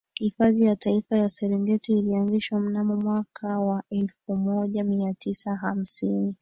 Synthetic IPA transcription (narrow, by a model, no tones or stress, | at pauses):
hifaðijataifajasɛɾɛnɡɛtiːlianziʃwam̩namumwakʰawaɛlfumɔʄamiatisaɦam̩sini